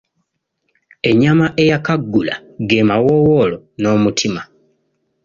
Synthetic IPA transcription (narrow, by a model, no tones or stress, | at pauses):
e̞ɲamaʔe̞jakaɡːula̰ɡeːmawowolono̞ːmutʰima